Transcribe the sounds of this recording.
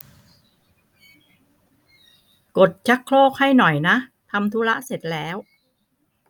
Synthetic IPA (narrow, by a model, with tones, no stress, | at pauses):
ko˨˩t̪̚t͡ɕʰa˦˥kʰːloː˥˩k̚ha˥˩jnɔ˨˩jna˦˥ʔ | t̪ʰa˧mt̪ʰuː˦˥la˦˥ʔse˨˩t̪̚lɛː˦˥w